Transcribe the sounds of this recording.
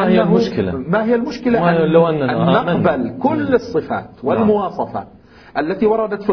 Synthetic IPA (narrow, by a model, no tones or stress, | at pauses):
hɪjalmʊʃkɪla̰maɦɪjːalmʊʃkɪlaʔalawʔanːaanaːamɪqnbalkʊlːɨsˤːɨfa̰ːt̪wɪlmʊwɑːsˤɑfa̰ | ʔalːat̪iwɑɾˤɑd̪at̪fi